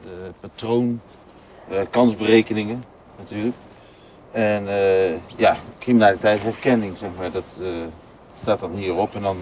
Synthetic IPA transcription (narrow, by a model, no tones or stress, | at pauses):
patrown | əkɑnzbərejkənɪŋə | natyːlək | ɛnəjakriminaːlitɛjtɦɛɹkɛnɪŋzɛxmaːɹdɑt | staːtɑnɦiːərɔpɛndɑn